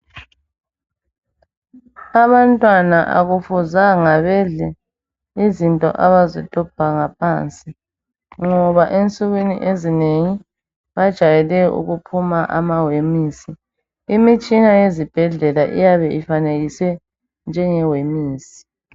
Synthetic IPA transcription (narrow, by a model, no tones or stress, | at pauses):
aβantʼwanaʔa̰ɣufuzaŋaβɛɮɛ | izintʼɔ̰ʔaβazɔtʰʼɔb̥ʱaŋapʰaːnt͡sʼi | ŋɔβaʔent͡sʼuɣinḭʔezineŋi | βad̥ʒ̥ʱajɛlɛṵɣupʰumaʔa̰mawemiːsi | imit͡ʃʼinajezib̥ʱɛɮɛlaʔḭjaβɛʔifaneɣisɛ | nd͡ʒʱɛŋɛwemiːsi̥